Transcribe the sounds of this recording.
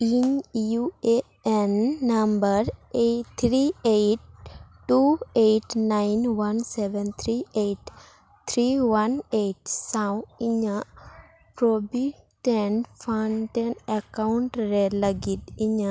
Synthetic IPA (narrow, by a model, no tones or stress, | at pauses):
iɲjue | ɛnːambəɾet̪ʰɾiejʈː | uejʈnajnwansɛʋɛnt̪ʰɾiʔejʈ | t̪ʰɾiwaneʈsãwiɲə | pɾobi | ʈenfanʈenɛkawuɳʈɾeləɡit̪iɲə